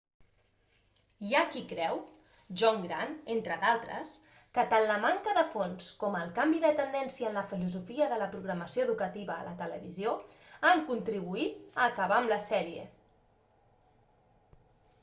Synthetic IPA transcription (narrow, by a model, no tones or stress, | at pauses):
iakikɾɛw | ʒɔŋɡɾa̰nent̪ɾəðalˠt̪ɾə̰s | kət̪anləmaŋkəðəfonskɔməlˠkambiðət̪ənd̪ɛnsiəːnləfiluzufiəðələpɾuɣɾəməsioəðukət̪iβə̰ːlʔət̪ələ̰βizjoaŋkunt̪ɾiβ̞uit̪əːkəβaəmləsɛɾiə̰